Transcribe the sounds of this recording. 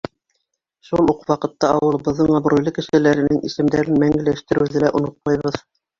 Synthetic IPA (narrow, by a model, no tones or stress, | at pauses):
ʃulˠuqwɑqɤ̆t̪ːɑɑwɤ̆lˠɤ̆bɤ̆ðːɤɴɑbɾujlˠɤkɘ̆ʃɘ̆læɾɘ̆nɘŋḭsɘ̆md̪æɾɘnmæŋɡɘ̆læʃt̪ɘ̆ɾɘ̆wðɘlæʔŏnot̪̚mɑjβɤð